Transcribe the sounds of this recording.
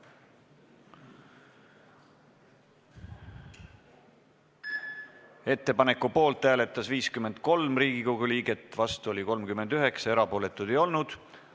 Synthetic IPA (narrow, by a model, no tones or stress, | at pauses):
e̞t̪ːe̞pɑne̞kːupo̞ːlt̪ːæːle̞t̪ˑːɑsviːskyme̞nd̪̥̚ko̞lmriːɡ̥ikowɡ̥uliːɡ̥e̞t̪ːˑvɑst̪uo̞liko̞lmkymːe̞nd̪yɦe̞ksɑeɾɑpo̞ːle̞t̪ːˑud̪̥e̞jo̞lnud̪̥